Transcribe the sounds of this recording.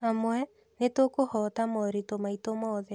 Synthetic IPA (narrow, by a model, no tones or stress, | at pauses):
amwɛ | netokohɔtamɔɾitomaitomɔːðɛ